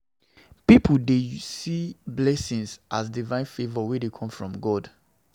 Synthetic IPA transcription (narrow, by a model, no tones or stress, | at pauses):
pipuldesiblɛsĩŋsʔas̬divãɪ̃nfevɔwedekʰɔ̃mfɹɔ̃mɡɔd